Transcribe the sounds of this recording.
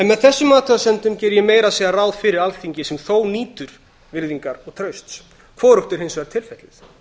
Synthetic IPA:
ɛnmɛðθɛsːʏmaːt̪ʰaasɛnt̪ʏmcɛːɾjɛmeːjɾaðsɛɣaraːwðfɪɾɪɾalθiɲcɪsɛmθoːwniːt̪ʏɾ̥ | vɪɾðiŋkaɾɔɣt̪ʰɾœɥst̪s | kʰvɔːɾʏht̪ɪɾhɪnsvɛɾt̪ʰɪlfɛt̪lɪθ

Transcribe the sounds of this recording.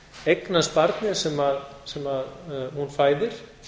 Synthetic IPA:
ejknaspaɾt̪nɪ̥sɛmaðsɛmaðhunfaːjðɪɾ̥

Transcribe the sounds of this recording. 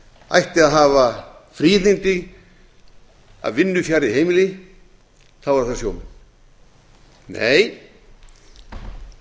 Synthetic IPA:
ajht̪ɪaðɦaːva | fɾiːθɪnt̪ɪɣ | a̰ðvɪnːʏfjaːɾiɦejmɪlɪ | θaðvaɾθaɾsjoːwmɪn | nḛːj

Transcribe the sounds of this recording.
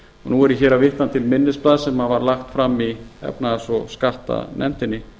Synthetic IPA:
ɔnuɛɾjɪçɛːɾavɪht̪ant̪ʰɪlmɪnːɪsplaːðsɛmavaɾlaxt̪fɾamːiɛ̰pnasɔskal̥t̪a̰ðnɛ̰n̥t̪ɪnːɪ

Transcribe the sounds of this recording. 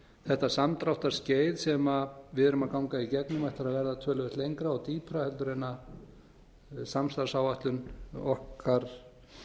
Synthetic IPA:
θɛht̪asamt̪ɾawht̪aɾ̥sceːjðsɛmavɪðʏɾʏmaðkawŋkaicɛknʏmɛht̪aɾaðvɛɾðat̪ʰœːlʏʏst̪lejŋkɾaɔt̪iːpʰɾahɛlt̪ʏɾejnːa | samst̪aɾsawvaht̪lʏnɔhkʰaɾ̥

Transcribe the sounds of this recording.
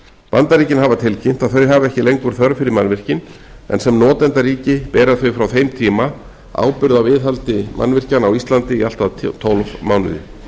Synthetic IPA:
pant̪aɾiːcɪnɦavat̪ʰɪlcʰejm̥t̪aθœɥɦavɛhcɪlejŋkʏɾ̥θœɾfɪɾɪɾmanvɪr̥cɪn | ɛ̰nsɛmnɔːt̪ɛnt̪aɾiːcɪpɛːɾaθœɥfɾawθejmt̪ʰiːma | a̰ːwpʏɾðawvɪðɦalt̪ɪmʔa̰nːvɪr̥canawist̪lant̪ɪial̥t̪aðt̪ʰowlvmaːwnʏ̰ðɪ̰

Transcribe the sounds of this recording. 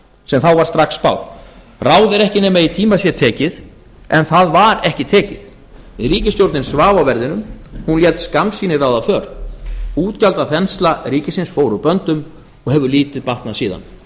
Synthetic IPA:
sɛmθawvaɾ̥st̪ɾaxksːpa̰wð | raːwðɪɾɛhcɪnɛːmait̪ʰiːmasjɛt̪ʰɛːcɪð | ʔɛnθaðvaɾɛhcɪt̪ʰɛːcɪð | ɪriːcɪst̪jowɾt̪nɪnsvaːvawvɛɾðɪnʏmhunljɛt̪skamsiːnɪrawðafœːɾ | uːt̪calt̪aðθɛnst̪lariːcɪsɪnsfoːwɾʏpœnt̪ʏm | ɔɣhɛvʏliːt̪ɪðpaht̪nasiːða̰n

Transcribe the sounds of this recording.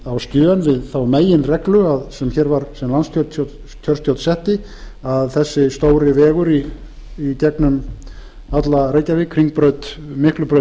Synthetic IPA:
awsc̪ʏːanvɪðθawmeːjɪnrɛklʏaðsɛmçɛːɾvaɾsɛmlansc̪ʰœt̪ot̪ | c̪ʰœɾst̪ʰjowt̪sɛht̪ɪ | aðθɛsːɪst̪oːwɾɪvɛːɣʏɾiː | c̪ɛknʏm | at̪lareːjcavɪkʰɾiŋk̚pɾœɥt̪ | mɪhklʏpɾœ

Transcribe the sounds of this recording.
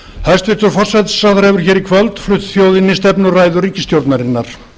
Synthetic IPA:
hast̪vɪ̥t̪ʏɾfɔr̥sɛt̪saθɾɛvʏɾ̥çɛːɾikʰvœlt̪flʏht̪θjoːwðɪnːɪst̪ɛpnʏraːjðʏriːcɪst̪jowɾt̪naɾɪnːaɾ̥

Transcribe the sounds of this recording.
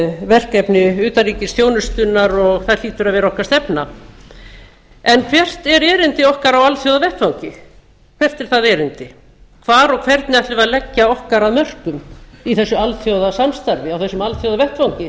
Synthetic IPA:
vɛr̥kɛpnɪʏːt̪aɾiːcɪsθjoːwnʏst̪ʏnːaɾɔɣθal̥iːt̪ʏɾaðvɛːɾaɔhkaɾ̥st̪ɛpna | ɛnkʰvjɛr̥t̪ɛɾɛːɾɪnt̪ɪɔhkaɾawalθjowðavɛht̪vawŋcɪ | kʰv̥ɛr̥t̪ɛɾ̥θaðɛɾɪnt̪ɪ | kʰvaɾɔɣkʰv̥ɛɾt̪nɪaht̪lɪʏvaðlɛcːaɔhkaɾaðmœr̥kʏmiθɛsːʏalθjowðasamst̪aɾvɪawθɛsːʏmalθjowðavɛht̪vawcɪ

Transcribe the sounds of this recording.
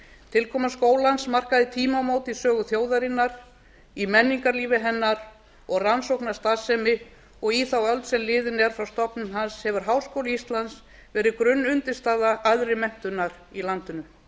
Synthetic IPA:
t̪ʰɪlkʰɔːmaskoːwlansmar̥kaðɪt̪ʰiːmamoːwt̪isœːɣʏθjoːwðaɾɪnːaɾ̥ | imɛnːiŋkaɾliːvɪɦɛnːaɾ | ɔɣransowknḁst̪aːsɛmɪ | ɔɣiθawœlt̪sɛmlɪːðɪnɛɾ̥fɾawst̪ɔpnʏmɦanshɛvʏɾ̥ɦawskoːwlɪist̪lans | vɛːɾɪkɾʏnːʏnt̪ɪst̪aːðaʔaðɾɪmɛm̥t̪ʏnːaɾ | ilant̪ʏnʏ

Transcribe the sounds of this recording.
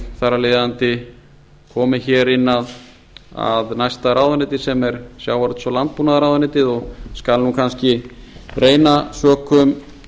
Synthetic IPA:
θarːaleːjðant̪ɪ | kʰɔːmɪçɛːɾɪnːað | a̰ðnajst̪aɾaːwðanɪːt̪ɪ̥sɛmɛɾsjaːwvaɾt̪svɔlant̪̚punaðaɾaːwðanɪːt̪ɪðɔɣskalnukʰanscɪrʔeːjnasœːkʏm

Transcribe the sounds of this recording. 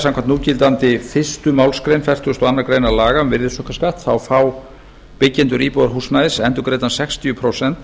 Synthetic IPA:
sãmkʰamnt̪uːɾcɪlt̪ant̪ɪfɪ̥st̪ʏmaːwlskɾejnfɛr̥t̪ʏst̪ɔanːaɾkɾejnalaːɣamvɪɾðɪsœhkaskaht̪θawfaw | pɪcːɛnt̪ʏɾiːpowðaɾɦusnaðɪsɛnt̪ʏkɾeːjt̪ansɛkst̪ʰijʏpʰɾoːsɛn̥t̪

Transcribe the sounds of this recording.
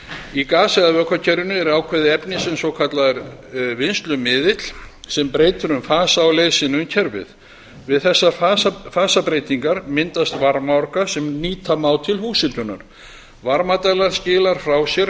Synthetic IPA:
ikaːsɛɣaðvœːkʰacʰɛɾʏnʏɛɾaːwkʰvɛðɪɛpnɪsɛmsɔkʰat̪laðɛɾvɪnst̪lʏmɪːðɪt̪l̥sɛmpɾeːjt̪ʏɾʏmfaːsaːwleːjsɪnʏmcʰɛɾvɪ̰ð | vɪðθɛsːaaːfaːsapɾeːjt̪iŋkaɾmɪnt̪ast̪vaɾmaɔɾkasɛmniːt̪ʰamaːwt̪ʰɪlhuːsɪnt̪ʏna̰ɾ̥ | vaɾmat̪ɛlaɾ̥scɪːlaɾ̥fɾawsjɛɾ

